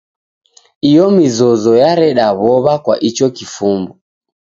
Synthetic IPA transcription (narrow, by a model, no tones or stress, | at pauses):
ijɔmizɔzɔjaɾɛɗaβɔβakwa̰ʔit͡ʃɔkifumbɔ